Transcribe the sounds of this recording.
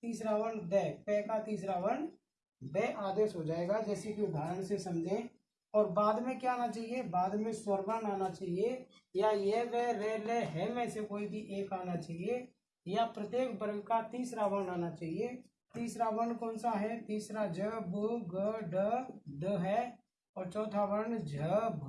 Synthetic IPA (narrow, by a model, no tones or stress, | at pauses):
t̪iːsɾaʋənb̪ɛːpɛ̃ːkat̪iːs̬ɾaʋən | bɛːʔaːd̪eːʃɦod͡ʒaːeːɡad͡ʒɛːsikiʊd̪ʱaːɾəɳsesəmd͡ʒʱẽ | ɔːɾbaːd̪mẽkjaaːnat͡ʃaːɦiebaːd̪mẽswəɾbənaːnat͡ʃaːɦie | jajeʋɛːʋɛːlɛɦɛʋɛ̃ːsekoːibʱiʔeːkaːnat͡ʃaːɦie | japɾət̪jeːkʰbəɾəɡkat̪iːsɾawənaːnat͡ʃaːɦie | t̪iːsɾaʋənkɔ̃ːnsaɦɛt̪iːsɾad͡ʒəbɡəɖəɖəɦɛ | ɔːɾt͡ʃɔːt̪ʰawənd͡ʒəb